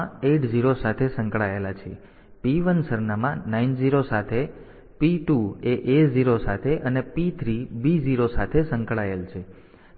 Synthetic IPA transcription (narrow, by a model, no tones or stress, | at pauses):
eʈʰd͡ʒiɾosat̪ʰesə̃ŋkɭaelat͡ʃʰe | piʋənsəɾnamãnaind͡ʒiɾosat̪ʰe | piʈueʔeziɾosat̪ʰeʔənepit̪ʰɾibid͡ʒiɾosat̪ʰesə̃ŋkɭaelt͡ʃʰe